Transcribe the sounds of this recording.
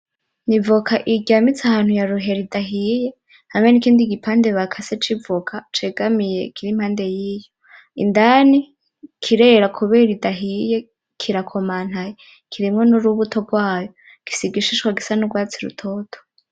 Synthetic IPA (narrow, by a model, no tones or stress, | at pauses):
nivukʰaʔiɟamit͡sahaːn̥hujaɾuɦe̞ɾidaɦije̞ | haŋe̞nikiːndiɡipʰaːnde̞βakʰaset͡ʃivukʰat͡ʃeɡamije̞̰kiɾimhaːnde̞jiːjo | ḭndani | kʰiɾeɾakʰuβeɾidaɦije̞ | kʰiɾakʰomaːn̥haje | kʰiɾimŋo̞nuɾuβutʰo̞b̚ɡwaːjo | ɡ̥i̥siɡiʃit͡ʃkwaɡisanuɡwaːt͡siɾṵtʰoːtʰo̥